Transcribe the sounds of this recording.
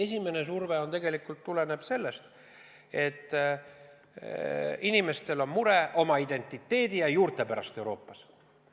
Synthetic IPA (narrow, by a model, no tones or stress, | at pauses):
e̞sʲime̞ne̞s̬urveo̞nt̪e̞ɡe̞likːult̪ːule̞neb̥se̞lːe̞st̪ | e̞t̪ːˑ | inime̞st̪e̞lo̞mmuɾe̞ʔo̞mɑid̪̥e̞nʲt̪ːˑit̪ːe̞ːd̪̥ijɑjuːrt̪ˑe̞pæɾɑ̰st̪e̞uɾo̞̰ːpːɑs